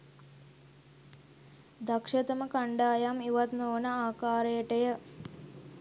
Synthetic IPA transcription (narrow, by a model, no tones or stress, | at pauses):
d̪akʂɐt̪əməkaɳɖaːjamiʋat̪noːnəaːkaːɾejəʈəjə